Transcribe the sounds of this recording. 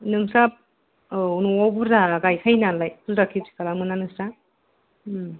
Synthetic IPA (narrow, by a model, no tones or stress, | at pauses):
nɯŋsap̚ | unuwawbɯɾdaɡajkʰajnalajkʰuzɾakʰipsi̥kalamɯnanɯsɾa